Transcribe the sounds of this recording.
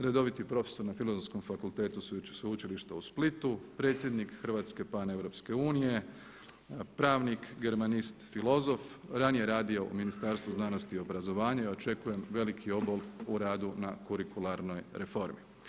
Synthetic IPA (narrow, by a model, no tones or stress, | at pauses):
ɾe̞d̪o̞ʋit̪ipɾo̞fe̥so̞ɾnafilozonsko̞mfakulˠt̪e̞ːt̪ussʋeut͡ʃiliʃt̪ausplit̪upɾe̞ːt̪sʲje̞d̪nikxər̩ʋaːt̪ske̞pane̞ʋɾo̞pske̞uːnije̞ | pɾaːʋnikɡe̞ɾmanist̪filo̞zo̞fɾanije̞ɾaːd̪io̞ʔṵminist̪aɾst̪ʋuznano̞st̪io̞bɾazo̞ʋaːɲaio̞t͡ʃe̞kuje̞mʋe̞likʰio̞boluɾaːd̪unakuɾikulˠaɾno̞jɾe̞fo̞ɾmi